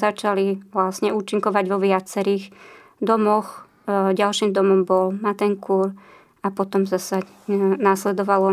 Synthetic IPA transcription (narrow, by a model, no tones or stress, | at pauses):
zat͡ʃaliʋlasɲɛuːt͡ʃiŋkɔʋaɟʋɔʋɪat͡sɛɾiɣ | d̪ɔmɔx | ɟalʃimd̪ɔmɔmbɔlmat̪ɛŋkʰuɾ | apɔt̪ɔmzasa | naslɛd̪ɔʋalɔ